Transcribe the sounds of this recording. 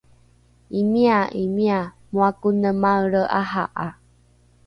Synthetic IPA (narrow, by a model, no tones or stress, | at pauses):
imiaʔimia | muakunəmawɭəʔaɦa̰ʔa